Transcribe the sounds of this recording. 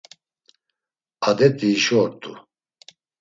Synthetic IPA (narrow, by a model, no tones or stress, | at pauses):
ad̪ɛt̪ʼiːʃɔɾt̪ʼu